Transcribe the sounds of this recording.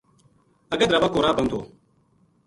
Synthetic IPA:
əɡəd̪ɾəʋakoːɾaːpənd̪o̰ː

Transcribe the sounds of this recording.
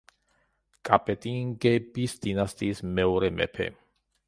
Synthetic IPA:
kʼapʼɛt̪ʼiŋɡɛbisd̪̥inast̪ʼiːsmɛɔɾɛmɛ̰pʰɛ̰

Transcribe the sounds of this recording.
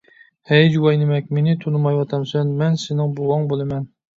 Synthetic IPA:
hɛjd͡ʒuwɑjnɪmɛkʲmenɪt̪ʰonɨmɑjwɑt̪ʰɑmsɛnmɛnsɪnɪŋboʁɑŋbolˠɨmɛn

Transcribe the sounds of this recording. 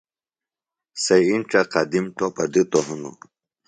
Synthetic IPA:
seinʈ͡ʂaqad̪imʈopɐd̪it̪oɦunṵ

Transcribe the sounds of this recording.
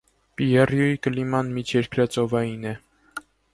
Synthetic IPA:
piɛrjujikəlimɑnmit͡ʃʰjɛɾkɾɑt͡sɔvɑjinɛ

